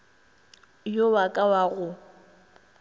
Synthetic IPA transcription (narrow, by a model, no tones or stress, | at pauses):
jowakʼawaɣʊ